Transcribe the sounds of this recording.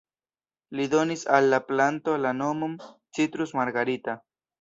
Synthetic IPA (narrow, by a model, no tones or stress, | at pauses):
lido̞nisalːaplanto̞lano̞momt͡sitɾusmaɾɡaɾita